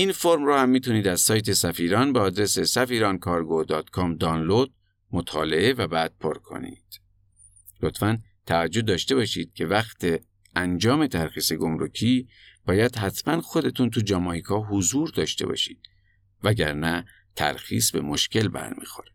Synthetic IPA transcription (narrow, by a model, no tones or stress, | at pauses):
ʔinfoɾmɾɔːhæmːiːt̪ʰuniːd̪æz̥sɒːjt̪ʰe̞sæfiːɾɒnbeɒːd̪ɾe̞se̞sæfiːɾɒːnkʰɒːɾɡod̪ɒːt̪kʰɒːmd̪ɒːnlod̪̥ | mot̪ʰɒ̰ːle̞e̞væbæːd̪̥̚pʰoɾkʰo̞̰nḭːd̪̥ | lot̪fænt̪ʰævæd͡ʒːo̞d̪ɒːʃt̪e̞βɒːʃiːd̪̥̚cʰe̞væxt̪ʰe | ænd͡ʒɒːme̞t̪ʰæɾxiːseɡo̞mɾocʰiː | b̥ɒːjæd̪̥ɦæt̪ʰmænxo̞d̪e̞t̪ʰunt̪ʰud͡ʒɒmɒːjikʰɒːɦozuːɾd̪ɒːʃt̪e̞̰bɒ̰ːʃḭːd̪̥ | væɟæɾnæ | t̪ʰæ̰ɾxḭːsbe̞̰mo̞ʃcʰe̞lbæ̰ɾmḭːxo̞ɾi̥